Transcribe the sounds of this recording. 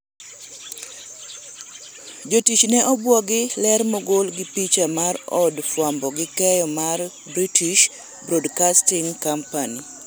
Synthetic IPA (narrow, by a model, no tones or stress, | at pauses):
d͡ʒotit͡ʃnɛʔɔbwɔɡɪlɛrmɔɡolɡɪpit͡ʃamaɾɔdfwambɔɡɪkɛjɔmar | bɾitiʃ | bɾodkastɪŋkampani